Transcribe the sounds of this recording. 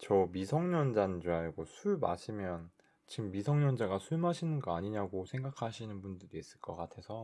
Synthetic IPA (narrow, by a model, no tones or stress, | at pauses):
t͡ɕʌmisʰʌŋɲʌnd͡ʑand͡ʑuaɭɡosʰuɭma̰ɕʰimjʌn | t͡ɕimːisʰʌŋɲʌnd͡ʑaɡasʰuɭmaɕʰinɯnɡʌaɲiɲaɡosʰe̞ŋɡakʰaɕʰinɯnbundɯɾiiːs͈ɯɭk͈ʌk͈atʰe̞sʰʌ